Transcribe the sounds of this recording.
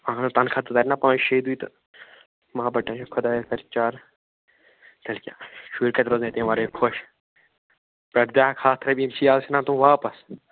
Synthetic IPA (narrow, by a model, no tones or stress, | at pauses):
ãːnɐ̃t̪ɐnkʰat̪ɐd̪aːɾʲinapãːt͡ʃʃeid̪uit̪ɐ | mɐbɐʈːãt͡ʃkʰʊd̪aːkɐɾt͡ʃaːɾ | t̪ɐlkʲja̰ːʃuːɾkɐt̪ɾoːznẽːt̪ẽʋaɾekʰoʃ | pɾɐɾd̪jaːkʰaːt̪ʰɾɐbimt͡ʃʰiːaːsinãːt̪ũʋaːpɐs